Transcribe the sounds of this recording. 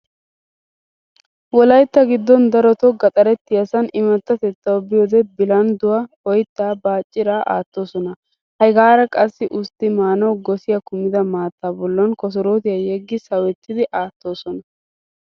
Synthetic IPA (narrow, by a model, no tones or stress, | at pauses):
wɔlɐjt̪ːɐɡɪd̪ːɔnd̪ɐɾɔt̪ɔɡɐt̪ʼɐɾɛt̪ːɪjɐsɐnɪmɐt̪ːɐt̪ɛt̪ːɐwbɪjoːd̪ɛbɪlɐnd̪ʊwɐhɔjt̪ːaːbaːt͡ʃʼːɪɾaːʔa̰ːt̪ːo̞ːsɔnɐ | hɐjɡaːɾɐkʼɐsːɪʔʊst̪ːɪmaːnɐwɡɔsɪjɐkʊmɪd̪ɐmaːt̪ːaːbɔlːɐnkɔs̬ɔɾoːt̪ɪjɐjɛɡːɪsɐwɛt̪ːɪd̪ɪʔaːt̪ːo̞ːsɔnɐ